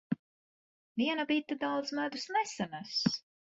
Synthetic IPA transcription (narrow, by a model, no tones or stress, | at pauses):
viɛnabit̪ɨd̪awd̪zmæd̪usnɛsanas